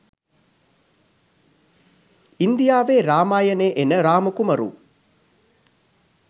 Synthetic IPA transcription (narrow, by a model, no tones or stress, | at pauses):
ind̪ijaːʋeːɾaːmaːjɐneːʔenəɾaːmɐəkumɐɾṵ